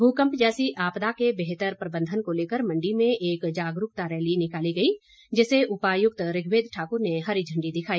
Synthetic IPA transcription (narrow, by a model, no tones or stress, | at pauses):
bʱuːkə̃mpd͡ʒɛːsiʔaːpd̪akebeɦt̪əɾpɾəbə̃nd̪ʱənkoleːkəɾmə̃ɳɖimẽʔeːkd͡ʒaːɡɾʊk̚t̪aɾɛːlinɪkaːliɡɐi | d͡ʒɛːseʔʊpaːjʊk̚t̪ɾɪɡʱʋeːd̪ʈʰaːkʊɾneɦɐɾid͡ʒʱə̃ɳɖid̪ɪkʰaːiː